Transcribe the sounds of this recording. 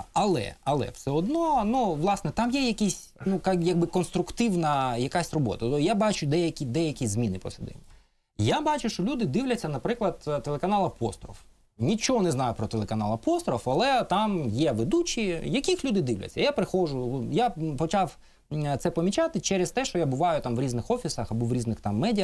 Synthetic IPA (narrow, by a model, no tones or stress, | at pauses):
ɐlˠɛ̰ɐlˠɛ̰fsɛɔd̪nɔnuʋlˠɑsnɛt̪ɑmjɛjɐkʲisʲ | nukjɐɡ̚bɪkɔnst̪ɾʊkt̪ɪwnɐjɐkasʲrɔbɔ̰t̪ɐjabɑt͡ʃʊd̪ɛjɐkʲid̪ɛjɐkʲizmʲinɪpɔ̰sɪd̪ɪ̰nʲːɐ | jabɑt͡ʃʊʃt͡ʃɔlʲud̪ɪd̪iwlʲɐt͡sʲːɐnɐpɾɪklˠɐd̪t̪ːelˠekɐnɑlˠɐpɔ̰st̪ɾɔ̰f | nʲit͡ʃɔɔnɛznɑjʊpɾɔt̪elˠekɐnɑ̰lˠɐpɔst̪ɾɔfɐlˠɛt̪amjɛʋed̪ut͡ʃʲijɐkʲixlʲud̪ɪd̪ɪwlʲɐ̰t͡sʲːɐjapɾɪxɔʒʊjapɔt͡ʃaw | t̪sɛpɔmʲit͡ʃat̪ɪt͡ʃɛɾɛst̪ɛʃt͡ʃɔjabʊʋɑjʊt̪amʋɾʲiznɪxɔfʲisɐxɐbɔʋɾʲiznɪxt̪ɑmːɛdʲijɐ